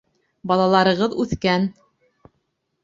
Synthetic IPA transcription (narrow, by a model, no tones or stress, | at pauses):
bɑlˠɑlˠɑɾɤ̆ʁɤðʉθkæn